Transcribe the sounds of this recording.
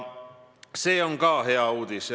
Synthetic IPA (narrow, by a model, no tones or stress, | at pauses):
seoŋkɑːheɑuːt̪is